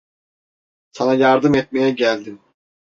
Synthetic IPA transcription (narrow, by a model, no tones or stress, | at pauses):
sanajaɾd̪ɯmɛt̪̚mejɛɟælʲd̪im